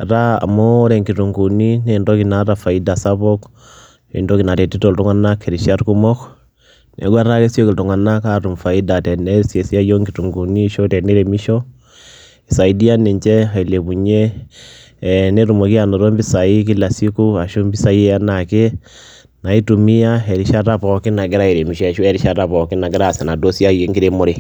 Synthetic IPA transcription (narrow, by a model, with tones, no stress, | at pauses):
ɾa˦a̰˨mɔː˦ɾɛ˨ŋɡi˨tu˨ŋɡu˨ni˦ne˦˨ndɔ˦ki˨na˨ɾa˨fa˨i˦da˨sa˦βɔ˦k | ḭ˨ndɔ˦ki˨na˨te˨ti˦to˨ltu˦ŋa˦na˦kʰːe˨ɾi˨ʃja˦ɾku˦mɔ˦k | nḛ˨ɡwa˦ɾa˦ke˦sjo˦ki˨ltu˨ŋa˨na˦ka˦ɾu˨mfa˨i˦da˨tɛ˨nɛ˦se˨si˦a˦jo˦ŋɡi˨tu˨ŋɡu˨ni˦ʃo˦tɛ˨ne˦ɾe˨mi˦ʃɔ˦ | i˨sa˨i˦di˦a˦ne˨ɲt͡ʃɛ˦a˨i˨le˨βu˨ɲe˦ | ne˦ɾu˨mo˨ki˦a˦˨no˨ɾo˦mbi˦sa˨i˦k̬i˦la˨si˦ku˦a˨ʃo˦mbi˦sa˨˦je˦a˦na˨ke˦ | na˨i˦tu˨mi˦a˦ɛ˨ɾi˨ʃa˦ɾa˦pɔ˨ki˦na˨ɡe˦ɾa˦e˨ɾe˨mi˨ʃɔ˦ɛ˨ʃu˦ɛ˦ɾi˦ʃa˦ɾa˦βɔ˨ki˦na˨ɡe˦ɾa˦˨sɛ˨na˨do˦sja˦je˦ŋɡi˦ɾe˦mo˦ɾe˨